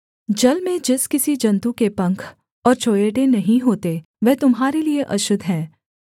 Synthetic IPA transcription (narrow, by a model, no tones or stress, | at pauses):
d͡ʒɐlmẽd͡ʒɪskɪsid͡ʒɐ̃nt̪ukepɐ̃ŋkʰ | ɔːɾt͡ʃʰoːjeːʈenɐɦĩɦoːt̪e | ʋɛɦt̪ʊmɦaːɾelieʔɐʃʊd̪ʱɦɛ̃ː